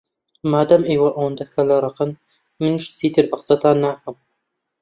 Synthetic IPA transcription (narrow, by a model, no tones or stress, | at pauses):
maːd̪ɐmʔeːwɐʔɐwɐnd̪ɐkʰɐlɐɾˤɑqɨn | mɨnʃt͡sʰiːt̪ʰɨɾbɨqə̥sɐt̪ʰaːnːaːkʰɐm